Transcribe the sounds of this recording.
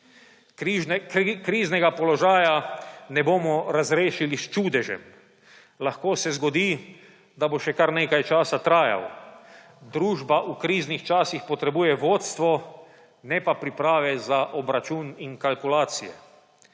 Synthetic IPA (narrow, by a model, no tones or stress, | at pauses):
kɾiːznɛɡapɔlɔʒaːjanɛboːmɔɾazɾeːʃilist͡ʃuːd̪ɛʒɛ̰m | laxkoːsɛzɡɔd̪iː | d̪aboʃɛkaɾneːkajt͡ʃaːsat̪ɾaːja̰w | d̪ɾuːʒbaʔukɾiːznixt͡ʃaːsixpɔt̪ɾɛbuːjɛʋoːt̪st̪ʋɔ | nɛpapɾipɾaːʋɛzaʔɔbɾat͡ʃuːniŋkalkulaːt̪sijɛ̰